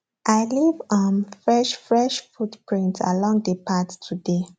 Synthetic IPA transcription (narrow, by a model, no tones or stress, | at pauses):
ʔaɪlivɔmfɹɛʃfɹɛʃfutpɹĩntʰa̰lɔ̃ŋdəpʰattʰude